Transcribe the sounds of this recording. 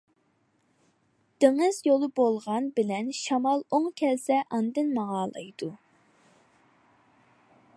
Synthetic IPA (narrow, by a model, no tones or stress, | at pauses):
d̪̥eŋɨzjolˠɨbolˠʁɑnbɪlɛnʃɑmɑlˠoŋkʲʰɛlsɛʔɑnd̪ɨnmɑʁɑːlˠɑ̰jd̪̥u